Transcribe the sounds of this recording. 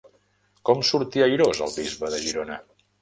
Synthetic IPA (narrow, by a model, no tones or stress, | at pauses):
kɔmsuɾt̪iəjɾozə̰lˠβizβəðəʒiɾonə